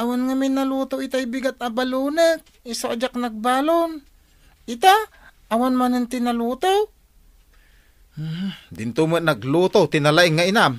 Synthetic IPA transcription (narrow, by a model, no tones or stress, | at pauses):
ʔawanŋamɪnːaluːt̪oʔɪt̪ajbɪɡat̪̚abaluːnək̚ɪsoʔd͡ʒaknɐɡ̚baːlon | ʔɪt̪a | ʔawanmanant̪ɪnaluːt̪o | d̪ɪnt̪umənɐɡluːt̪ot̪ɪnalaʔɪŋːaʔɪnam